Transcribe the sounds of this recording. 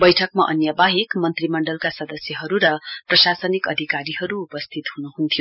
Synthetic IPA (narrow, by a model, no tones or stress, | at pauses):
bʌjʈʰʌkmaʔʌnjabaɦikmʌnt̪rimʌɳɖʌlkasʌd̪ʌsjʌɦʌɾuɾʌprʌsasʌnikʌd̪ʱikaɾiɦʌɾuːpʌst̪ʰit̪hunuɦunt̪ʰijo